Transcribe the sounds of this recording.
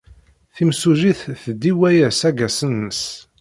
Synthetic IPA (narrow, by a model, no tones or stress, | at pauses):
θimsuʒiθθəd̪iwæjæsæɡæsənːəs